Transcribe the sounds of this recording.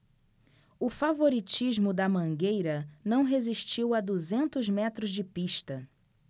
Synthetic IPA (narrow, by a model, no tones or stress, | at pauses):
ʊfavoɾit͡ʃizmʊd̪ɐmɐ̃ŋɡejɾɐnɐ̃w̃ɦeziʃt͡ʃiwɐd̪uzẽnt̪ʊzmɛt̪ɾʊzd͡ʒɪpiʃt̪ɐ